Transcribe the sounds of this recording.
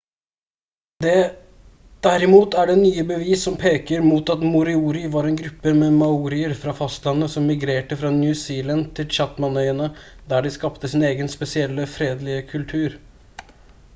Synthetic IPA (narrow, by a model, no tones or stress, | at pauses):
d̪ɛ | d̪̥æɾɪmuːt̪æɖɛnyːəbəʋiːsːɔmpʰeːkəɾmuːt̪ɑt̪mʊɾɪuːɾɪʋɑɾɛnɡɾʉpːəmɛmɑuːɾɪəɾfɾɑfɑst̪lɑnːəsɔmːɪɡɾeːʈəfɾɑnjʉsiːlɑnd̪̚t̪ʰɪlt͡ʃɑt̪mɑnœʏənəd̪æːɖɪskɑpt̪əsɪneːɡənspɛsɪɛlːəfɾeːd̪lɪəkʰʉlt̪ʰʉːɾ